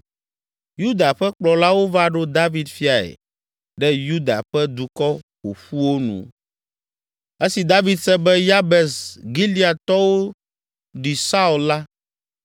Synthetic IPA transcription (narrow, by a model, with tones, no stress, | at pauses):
ju˦d̪a˨ɸɛ˦k͡plɔ˨la˦wo˦va˦ɖo˦d̪a˦vi˨d̪fi˦a˨ɛ̰˨ | ɖɛ˦ju˦d̪a̰˨ɸɛ˦d̪u˨kɔ˦xo˨ɸu˦wo˦nṵ̃˨ | e˦si˨d̪a˦vi˨d̪sɛ˦bɛ˦ja˦bɛ˨sɡi˦li˦a˨t̪ɔ˦wo˦ | ɖi˨sa˦u˨lla˦